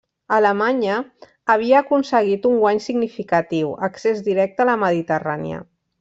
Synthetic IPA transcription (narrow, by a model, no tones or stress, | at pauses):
ələmaɲəː | β̞iəːkunsəɣ̞it̪uŋɡwaɲsiɡnifikat̪iwəksezd̪iɾɛk̚t̪ələməð̞it̪əra̰nḭə̰